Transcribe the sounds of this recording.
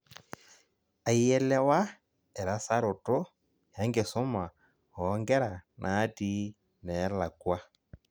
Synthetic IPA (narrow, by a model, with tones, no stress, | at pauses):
a˨i˦ɛ˦lɛ˦wa˦ | ɛ˨ɾa˨sa˦ɾo˨tɔ˦ | ha˨˦ŋɡe˨sɔ˦ma˨ | hɔː˨˦ŋɡɛ˦ɾa˨nʔaː˨˦ti˦ | nɛ˨˦la˨kwa˦